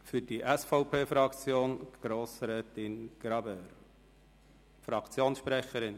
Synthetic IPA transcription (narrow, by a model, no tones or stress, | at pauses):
fyɾdiʔɛsfɔʊpʰeːfɾɑkt͡sjoːnɡ̥ɾoːsɾɛːtɪnɡ̥ɾɑbɛːɾ | fɾɑkt͡sjoːnsʃpɾɛχəɾɪn